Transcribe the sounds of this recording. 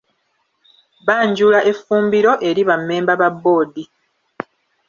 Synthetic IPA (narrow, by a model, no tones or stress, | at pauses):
βaːɲɟuːlaʔe̞fːuːmbiɾo̞ʔe̞ɾiβamːe̞ːmbaβabːo̞ːdi